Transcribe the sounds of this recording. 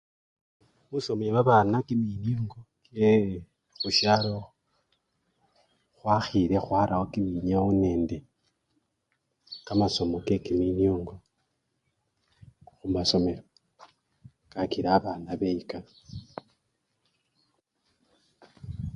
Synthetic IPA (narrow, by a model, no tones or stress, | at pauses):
muso̞mjeβaβanakiminjoːŋɡoke | xuʃjalo | xwaxiɾe̞xwaɾahokimiɲaune̞ːnde̞ | kamaso̞mokekiminjoːŋɡo̞ | xumaso̞me̞ɾo | kakiɾaːβanaβeika